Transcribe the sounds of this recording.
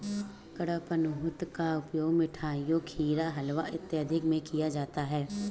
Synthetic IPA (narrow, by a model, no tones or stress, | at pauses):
kɐɽapɐnʊɦʊt̪kaʊpjoːɡmɪʈʰaːjokʰiːɾaɦɐlʋaʔɪt̪jəd̪ʱɪkmẽkijad͡ʒaːt̪aɦɛː